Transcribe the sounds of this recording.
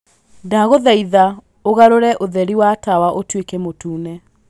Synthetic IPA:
daɣoðɛiða | oɣaɾoɾɛʔoðɛɾiwatawaʔotwekɛmotuːnɛ

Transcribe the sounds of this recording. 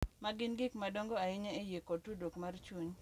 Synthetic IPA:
maɡɪnɡɪkmadoŋɡoaɪɲɛejekotudokmart͡ʃuɲ

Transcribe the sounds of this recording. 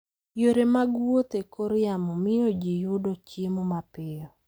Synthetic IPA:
joɾemaɡwot̪ekʰoɾɪamɔmɪod͡ʒijʊdot͡ʃemɔmapɪɔ

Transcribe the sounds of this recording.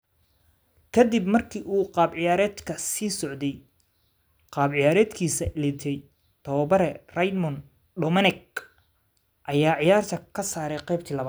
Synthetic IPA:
kʰɐd̪ibmɐrkʰiːʔuːqɑːbʕɪjaːɾɛːd̪kʰɐsiːsɔʕd̪ɛj | qɑːbʕɪjaːɾɛːd̪kʰiːsɐʔɪlɪt̪ʰɛj | t̪ʰɐwɐbɐɾɛrɐjd̪mɔn | ɖɔmɐnɛɡ̚ | ʔɐjaːʕɪjaːrt̪ʰɐkʰɐsaːɾɛjqɛjb̚t̪ʰiːlɐβa

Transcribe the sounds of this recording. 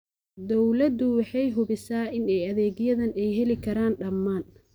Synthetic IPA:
d̪ɔwlɐd̪ʊwɑħɑjɦʊβɪsaːʔɪnɛjɐðɛːɣjɐðɐnɛjɦɛlɪkʰɐɾaːnɖɐmːaːn

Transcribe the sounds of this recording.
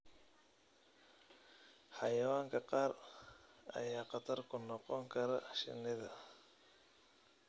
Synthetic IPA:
ħɑjɐwaːŋkʰɐqɑːr | ɐ̰jaːqɑt̪ʰɐrkʰʊnɔqɔŋkʰɐɾɐʃɪ̰nɪðɐ

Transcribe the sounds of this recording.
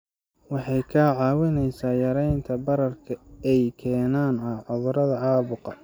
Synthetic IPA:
wɑħɑjkʰaʕɑːwɪnɛjsaːjɐɾɛjnt̪ʰɐbɐɾɐrkʰɐɛjkʰɛːnaːnɐʕʊðʊɾɐðɐʕɑːβʊqɑ

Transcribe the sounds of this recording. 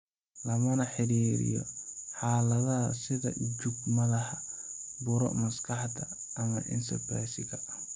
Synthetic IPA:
lɐmɐnɐħɪɾiːɾɪ̰jɔ̰ħaːlɐðɐhɐsɪðɐ̰d͡ʒuɡmɐlɐhɐbʊɾɔ̰ʔmɐskʰɐħt̪ʰɐː | mɐʔɪ̰nsɛ̰pɾajsɪɣɐ

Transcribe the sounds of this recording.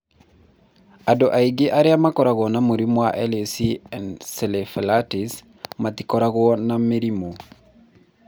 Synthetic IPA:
adoʔaiɡɪʔaɾɪamakɔɾaɣɔnamoɾimwaʔɛlesiɛnselefelatis | matikɔɾaɣwɔnameɾimo

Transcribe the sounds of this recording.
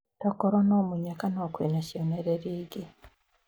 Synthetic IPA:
tokoɾonomuɲakanokwinaʃoneɾeɾiːɡi

